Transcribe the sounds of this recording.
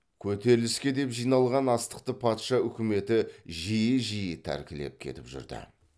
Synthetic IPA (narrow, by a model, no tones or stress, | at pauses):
kʲʰɵt̪e̞ɾɪlɪskʲe̞d̪e̞pʒijnɑlˠʁɑnɑst̪ə̥q̚t̪əpʰɑt̪ʃɑʏkʲɪme̞t̪ɪʒijɪʒijɪt̪ʰæ̰ɾkʲɪle̞̰p̚kʲʰe̞̰t̪ɪpʒʏ̰ɾd̪ɪ̰